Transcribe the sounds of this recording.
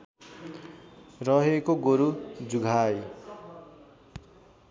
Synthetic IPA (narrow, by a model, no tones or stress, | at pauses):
rʌɦekoɡoɾud͡zuɡʱaj